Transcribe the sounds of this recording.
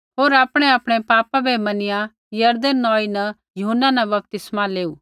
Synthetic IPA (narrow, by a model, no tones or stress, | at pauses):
ɦoːɾaːpɽ̃eaːpɽ̃epaːpabʱɛmɐnɪjã | jɐɾd̪ənːɔːinɐ | jʊɦənːanɐbɐp̚t̪ɪsmaleːuː